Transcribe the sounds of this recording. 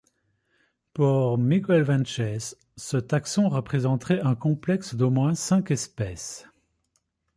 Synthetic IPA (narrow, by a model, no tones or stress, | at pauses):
puʁmikɔɛlvɛ̃nt͡ʃɛz | sət̪aksɔ̃ʁəpχezɑ̃t̪χɛʔɛ̃kɔ̃plɛksd̪omwɛ̃sɛ̃kɛspɛs